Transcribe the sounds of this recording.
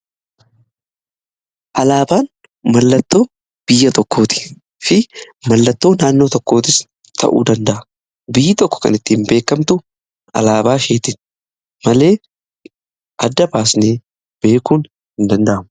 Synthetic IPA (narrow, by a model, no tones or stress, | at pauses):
ʔɐlaːbaːn | mɐlːɐt̪ːo̞ː | b̥ɪjːɐt̪ɔkːo̞ːt̪ɪ̥ | fɪ | mɐlːɐt̪ːo̞ːnaːnːo̞ːt̪ɔkːo̞ːt̪ɪs | t̪ʰɐ̰ʔṵːd̪ɐnd̪ɐʔɐ | bɪjːɪt̪ɔkːɔ̥kɐ̰nɪt̪ːiːmbe̞ːkːɐmt̪ʊ | ɐ̰laːbaːʃe̞ːt̪ɪn | mɐle̞ː | ʔɐd̪ːɐbaːsneː | b̥e̞ːkuːn | hɪnd̪ɐnd̪ɐʔɐmʊ